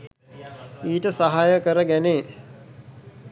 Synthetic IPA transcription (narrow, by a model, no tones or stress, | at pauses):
iːʈəsaɦajəkəɾəɡæneː